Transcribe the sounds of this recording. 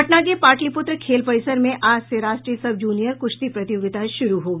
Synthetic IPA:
ɐʈnakepaːʈlipʊt̪ɾəkʰeːlpəɪsəɾmẽʔʔaːd͡ʒseɾaːʃʈɾiəsɐbd͡ʒuːnijəɾkʊʃt̪ipɾɐt̪ɪjoːɡɪt̪aʃʊɾuɦoː

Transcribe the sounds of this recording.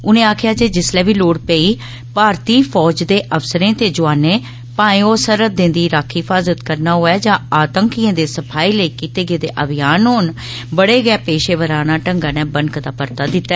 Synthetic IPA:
ʊnẽːaːkʰɪjaːd͡ʒeːd͡ʒɪslɛːʋiːloːɽpɛːiː | paːɾt̪iːpʰɔːd͡ʒd̪eːʔəfsəɾẽːt̪eːd͡ʒʊaːneː | pãːĩːoːsəɾət̪̚d̪ɪ̃nd̪iːɾaːkʰɪfʰaːzət̪kəɾnaːɦoːaːd͡ʒãːaːt̪əŋkijãːd̪eːsəpʰaːiːləiːkiːt̪eːɡeːd̪eːʔəbɪjaːnɦoːn | bəɽeːɡɛːpeːʃeːʋəɾaːnaːʈəŋɡaːnɛ̃ːbənkd̪aːpəɾt̪aːd̪ɪt̪ːa

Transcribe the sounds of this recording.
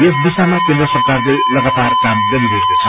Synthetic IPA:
es̬d̪isamakẽnd̪ɾʌsʌrkarle | lʌɡat̪arkamd̪ʌlibeekot͡sʰʌ

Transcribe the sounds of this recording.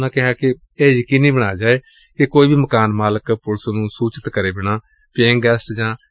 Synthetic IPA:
nãːkɪɦaːkɪ | eːjəkiːnĩːbəɽ̃aːd͡ʒaːeː | kɪkoːiːbiːməkaːnmaːləkpʊlsoːnũːsuːt͡ʃət̪kəɾeːbɪɽ̃ãː | peːŋɡɛːsʈd͡ʒãː

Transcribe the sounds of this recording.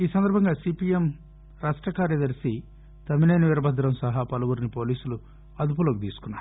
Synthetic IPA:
iːsɐnd̪ɐɾbʱɐŋɡaːsipijem | ɾaːsʈɐkaːɾjɐd̪ɐɾsi | t̪ɐminɐjnɐʋiɾɐbʱɐd̪ɾɐmsɐɦapɐlɐʋuɾinipo̞ːliːsulu | ɐd̪up̬uloːkit̪iːsu̥kunːaːɾu

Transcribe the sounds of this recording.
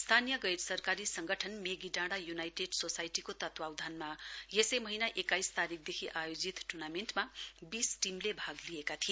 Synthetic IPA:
st̪ʰanijʌɡʌjrsʌrkaɾisʌŋɡʌʈʰʌnmeɡiɖãɽajunajʈeɖsosajʈikot̪ʌt̪wawd̪ʱanmajesejmʌɦinaʔekajst̪aɾik̚ʰd̪ekʰiʔajod͡zit̪ʈurnamenʈmabisʈimlebʱaɡlijekat̪ʰie

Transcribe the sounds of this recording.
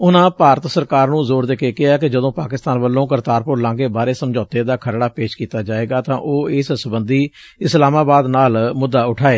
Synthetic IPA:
ʊnãːpaːɾət̪səɾkaːɾnũːzoːɾd̪eːkeːkɪaːkɪd͡ʒəd̪õːpaːkɪst̪aːnʋəlːõːkəɾt̪aːɾpʊɾlãːɡeːbaːɾeːsəmd͡ʒɔːt̪eːd̪aːkʰəɾɽaːpeːʃkiːt̪aːd͡ʒaːeːɡaːt̪ãːʔoːɪssəbənd̪iː | ɪslaːmaːbaːd̪naːlmʊd̪ːaːʊʈʰaːeː

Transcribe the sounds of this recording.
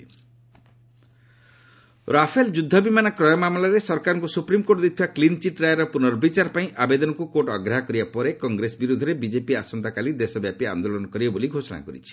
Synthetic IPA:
ɾapʰeld͡ʒud̪ʱːɔbimanɔkɾɔjɔmamlaɾesɔɾkaɾɔŋkusupɾimkoʈd̪it̪ʰibaklint͡ʃiʈɾajeɾɔpunɔɾbit͡ʃaɾpaĩʔabed̪ɔnɔkukoʈɔɡɾaɦakɔɾibapɔɾekɔŋɡɾesbiɾud̪ʱɔɾebid͡ʒepiasɔnt̪akalid̪esɔbjapia̰nd̪olɔnɔkɔɾibboliɡʱosɔna̰kɔ̰ɾḭt͡ʃʰi̥

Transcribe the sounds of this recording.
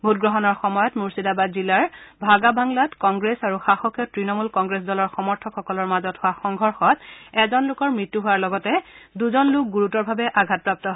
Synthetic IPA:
bʱutɡɹɔɦɔnɔɹxɔmɔjɔtmuɹsidabazilaɹbʱaɡabaŋladkɔŋɡɹesaɹuxaxɔkijɔtɹinɔmulkɔŋɡɹes̬dɔlɔɹxɔmɔɹtʰɔkxɔkɔlɔɹmazɔthʊwaxɔŋɡʱɔɹxɔtɛzɔnlʊkɔɹmɹitːuɦʊwaɹlɔɡɔtɛduzɔnlʊk̚ɡuɹutɔɹbʱabɛʔaɡʱat̚pɹap̚tɔɦ

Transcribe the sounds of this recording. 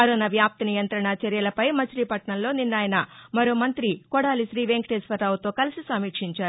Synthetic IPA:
ɐɾoːnɐʋjaːp̚t̪ɐnijɐnt̪ɾɐɳɐt͡ʃɐɾijɐlɐpɐjmɐt͡ʃɾiːpɐʈɳɐmlo̞ːninːaːjɐnɐmɐɾoːmɐnt̪ɾikɔɽaːliʃɾiːʋeŋkʈesʋɐɾːaːwut̪o̞ːkɐlisisɐmːiːkʂiɲt͡ʃaːɾuu

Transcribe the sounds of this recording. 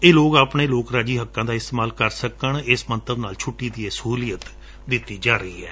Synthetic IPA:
eːloːkaːpɳeːloːkɾaːd͡ʒiːɦəkːãːd̪aːɪst̪eːmaːlkəɾsəkəɳɪsmənt̪əbnaːlt͡ʃʰʊʈːiːd̪iːeːsəɦuːlijət̪ | d̪ɪt̪ːiːd͡ʒaːɾəḭːɛ̰ː

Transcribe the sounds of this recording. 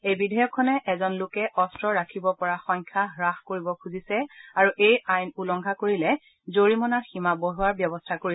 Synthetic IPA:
ejbidʱɔjɔkʰːɔnɛʔɛzɔnlʊkɛʔɔstɹɔɹakʰibɔpɔɹaxɔɲkʰaɦɹaxkoɹibɔkʰuzisɛaɹuʔejajnulɔŋɡʱakoɹilɛ | zoɹimɔnaɹximaboɦuaɹbjɔbɔstʰakoɹi

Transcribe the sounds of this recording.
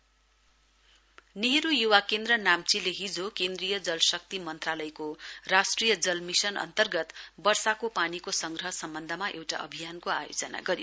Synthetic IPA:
niɦɾujuwakend̪rʌnamt͡sileɦid͡zokend̪rijʌd͡zʌlsʌk̚t̪imʌnt̪ralʌjkorasʈrijʌd͡zʌlmisʌnʌ̰nt̪ʌrɡʌt̪bʌrsakopanikosʌŋɡrʌɦʌsʌmbʌnd̪ʱʌmaʔewʈa̰ʌ̰bʱijankoajo̰d͡zʌna̰ɡʌɾio

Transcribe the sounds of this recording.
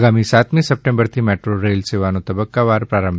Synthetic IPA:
ɡaːmĩsaːt̪mẽsɐp̚ʈẽmbəɾt̪ʰimɛːʈɾoɾeːlseʋaːnõt̪ɐbəkːaʋaːɾpɾaːɾə̃mbʱ

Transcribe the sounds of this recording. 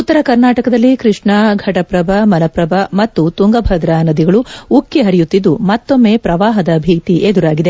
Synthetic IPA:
ut̪ːɐɾɐkɐɾnaːʈɐkɐd̪ɐlːikɾiʂɳɐɡʱɐʈɐpɾɐbʱɐmɐlɐpɾɐbɐmɐt̪ːut̪uŋɡɐbʱɐd̪ɾaːnɐd̪iɡɐɭuukːiɦɐɾijut̪ːid̪ːumɐt̪ːo̞mːe̞ːpɾɐʋaːɦɐd̪ɐbʱiːt̪iʔed̪uɾaːɡid̪e

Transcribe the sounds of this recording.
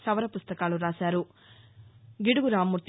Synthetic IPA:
sɐʋɐɾɐpust̪ɐkaːluɾaːsaːɾu | ɡiɽuɡuɾaːmːuɾt̪

